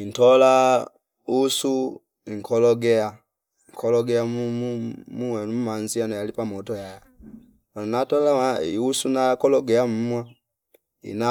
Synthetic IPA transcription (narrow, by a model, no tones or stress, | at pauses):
in̩tɔla | usu | iŋ̩kɔlɔɡɛa | ŋ̩kʰɔlɔɡɛamumuɛnum̩manzianɔjalipamɔtɔjaja | anɔnatɔlaiusunakɔlɔɡɛam̩mwa | ḭna